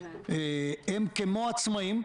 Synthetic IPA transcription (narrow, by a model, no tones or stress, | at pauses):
eemkemoat͡smaim